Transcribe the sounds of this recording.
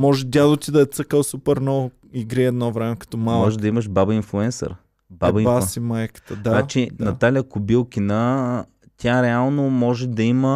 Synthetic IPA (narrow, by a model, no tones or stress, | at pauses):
mɔʒɛd̪ʲad̪ot̪id̪ɐɛt̪səkəlˠsupɛɾnɔvʊ | iɡɾiɛd̪nɔvɾɛmɛkɐ̥t̪ɔmalˠmɔʒɛd̪ɐiməʃbabɐinflˠuɛnsɛ̰ɾ | babbasimajkə̥t̪əd̪anat͡ʃinɐt̪alʲiəkʊbilˠkʲinə | t̪ʲjaɾɛalˠnomɔʒɛd̪ɐimə